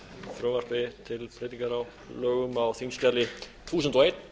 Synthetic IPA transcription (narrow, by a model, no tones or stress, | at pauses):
θɾœːmar̥pɪt̪ʰɪlpʰɾeːt̪iŋkaɾaw | lœːɥɣʏmawθiŋscalɪ | uːsʏnt̪ɔejt̪